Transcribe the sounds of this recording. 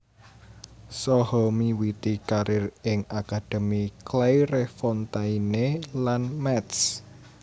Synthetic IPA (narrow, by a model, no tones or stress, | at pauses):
sɔhɔmiwit̪ikaɾɪrɪŋakad̪̥e̤miklajɾefɔnt̪ainelanmɛt̪s